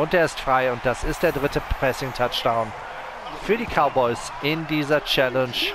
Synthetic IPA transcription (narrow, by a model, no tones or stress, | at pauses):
ʊnt̚deːɐɪstfʁ̥aɪʊnt̚d̥asɪst̚d̥eːɐdʁɪtəpʰʁ̥ɛsɪŋtʰat͡ʃd̥ãʊ̃n | fyːɐɾiːkʰaʊbɔɪs | ɪndiːzɐt͡ʃɛlɛnʃ